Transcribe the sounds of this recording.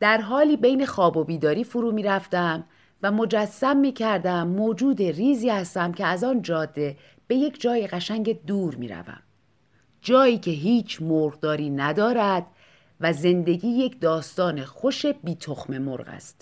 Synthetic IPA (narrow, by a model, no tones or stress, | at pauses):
d̪̥æɾɦɒːliːbe̞jne̞xɒːbo̞biːd̪ɒːɾiːfoɾuːmiːɾæft̪æm | væmo̞d͡ʒæsːæmːiːcʰæɾd̪æmːoːd͡ʒuːd̪e̞riːziːhæst̪æmcʰeæzɒːnd͡ʒɒːd̪ːe̞ | b̥e̞je̞cʰd͡ʒɒːjeɣæʃæŋɟe̞d̪uːɾmḭːɾæ̰væ̰m | d͡ʒɒːjiːcʰe̞ɦiːt͡ʃʰmoɾʁd̪ɒːɾiːnæd̪ɒːɾæd̪ | væze̞nd̪e̞ɟiːje̞cʰd̪ɒːst̪ɒːne̞xo̞ʃe̞biːt̪ʰoxme̞mo̰ɾɣæ̰st̪